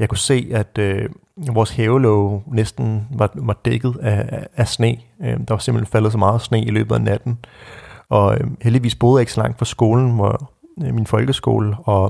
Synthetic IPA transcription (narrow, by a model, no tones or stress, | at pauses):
jɑ̈kʰuse̝̰ːæd̥ø | ʋɒːsheːʊlɔʊnesd̥n̩ʋɑ̈ʋɑ̈d̥eɡ̥ð̩ˠææsne̝̰ːd̥ɑ̈ʋɑse̝mb̥lenfælð̩ˠs̬ɒ̽mɑ̈ːð̩ˠsne̝̰ːilø̰ːb̥ð̩ˠænæd̥n̩ | ʔɒ̽øheld̥iʋḭːsb̥o̝ːðˠjeɡ̥sɒ̽lɑ̈ŋ̰d̥fɑsɡ̥o̝ːln̩ʋɑminfɒ̽lɡ̥əsɡ̥o̝̰ːləɒ̽